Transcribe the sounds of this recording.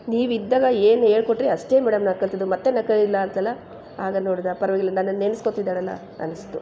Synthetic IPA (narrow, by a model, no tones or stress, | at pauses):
niːʋid̪ːaːɡɐe̞ːnuɦe̞ːɭkoʈːɾiɐʂʈe̞ːmɛːɽɐmnɐkːɐɭt̪id̪umɐt̪ːenɐkːɐilːɐːnt̪ɐlːɐ | aːɡɐnoːɽid̪apɐɾɐʋɐɡilːɐnɐnːɐnːenːskot̪id̪ːaːɽɐlːɐ̰ | ɐ̰nːɐst̪u